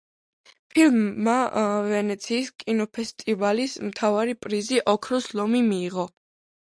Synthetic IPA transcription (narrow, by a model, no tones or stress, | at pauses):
pʰilmːavɛnɛt̪sʰiːskʼinɔpʰɛst̪ʼivalismt̪ʰavaɾipʼɾiziʔɔkʰɾɔslɔmimiːʁɔ